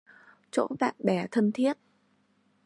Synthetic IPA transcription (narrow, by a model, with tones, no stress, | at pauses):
t͡ɕo̰˧˥va̰ː˧˨nɓɛ˧˩t̪ʰə˧nt̪ʰi˦˥ət̚